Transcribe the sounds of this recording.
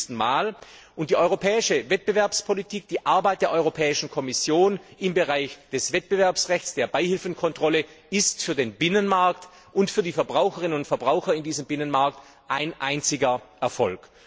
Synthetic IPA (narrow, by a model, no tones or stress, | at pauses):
stn̩maːl | ʔʊnt̚d̥iːʔɔʏʁopʰɛːɪʃəvɛt̚b̥əvɛɐpspʰɔlitʰiːk̚d̥iːʔaɐbaɪt̚d̥eːɐʔɔʏʁopʰɛːɪʃn̩kʰɔmɪsjoːnʔɪmbəʁaɪçd̥ɛsv̥ɛt̚b̥əvɛɐpsʁɛçt͡sd̥eːɐbaɪhɪlfn̩kʰɔntʁ̥ɔlə | ɪstfyːɐdeːnbɪnənmaɐkt | ʔʊntfyːɐdiːfɛɐbʁaʊxəʁɪnənʊntfɛɐbʁaʊxɐɪndiːzəmbɪnənmaɐk̚t | ʔaɪnʔaɪnt͡sɪɡɐʔɛɐfɔ̰lk